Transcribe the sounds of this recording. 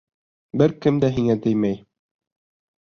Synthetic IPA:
bɘɾkɘmd̪æɦiŋæt̪ɘ̆jmæj

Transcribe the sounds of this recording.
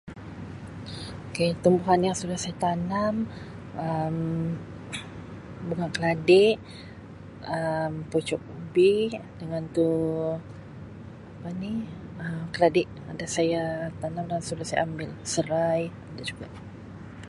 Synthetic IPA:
oket̪əmbuɦanjaŋsudahsajat̪anam | əm | bəɡaŋkəladɪʔ | əmput͡ʃɔk̚bidəŋant̪u | apaniəmkəladɪʔ | adasajat̪anamdaŋsudasaja̰ambɪlsəɾaj | adad͡ʒuɡaʔ

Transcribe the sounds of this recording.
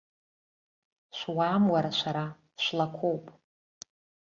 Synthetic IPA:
ʃʷwaːmwaɾaʃʷaɾa | ʃʷlakʷʰowpʼ

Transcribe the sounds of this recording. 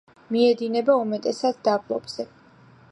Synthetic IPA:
miɛd̪inɛbaumɛt̪ʼɛsat̪ʰd̪ablˠɔ̰bz̥ɛ

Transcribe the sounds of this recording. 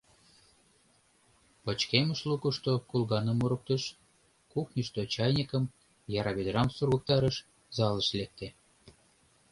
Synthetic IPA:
pət͡ɕkeməʃlukəʃt̪okulɣɑnə̆muɾə̆k̚t̪ə̆ʃ | kuxnʲiʃt̪ot͡ɕɑjnʲikəm | jɑɾɑβed̪rɑmsurɣə̆k̚t̪ɑɾəʃ | zɑlə̆ʃlek̚t̪e

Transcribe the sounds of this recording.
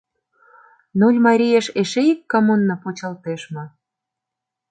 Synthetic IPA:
nolʲmɑɾʲijeʃeʃeikːɑmunːɤ̆pot͡ɕə̆lt̪eʃmɤ̆

